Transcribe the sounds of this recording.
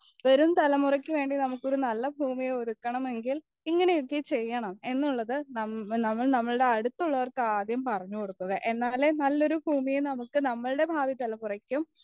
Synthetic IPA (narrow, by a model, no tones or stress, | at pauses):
ʋɐɾumt̪ɐlɐmurɐkʲːɨʋe̞ːɳɖinɐmukːo̞ɾunɐlːɐbʱuːmijeoɾukːɐɳɐme̞ŋɡil | iŋːɐne̞jo̞kːet͡ɕe̞jːɐɳɐme̞nːuɭːɐðɨnɐnɐmːɐɭnɐmːɐɭɨɽe̞ɐɽut̪ːuɭːɐʋɐrkaːd̪ʱjɐmpɐrɐɲːuko̞ɽut̪ːɐɣɐʔe̞nːaːlenɐlːo̞ɾubʱuːmijenɐmukːɨnɐmːɐɭɨɽe̞bʱaːʋit̪ɐlɐmurɐkʲːum